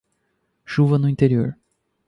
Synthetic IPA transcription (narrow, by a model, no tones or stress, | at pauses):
ʃuvɐnʊĩt̪eɾioɾ